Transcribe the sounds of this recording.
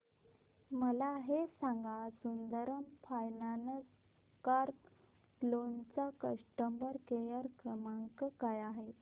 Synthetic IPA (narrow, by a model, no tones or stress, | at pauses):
məlaɦesãŋɡasund̪əɾəmpʰajnanəs | kaɾ | lont͡sakəʂʈəmbəɾkejaɾkɾəmaŋkəkajaɦet̪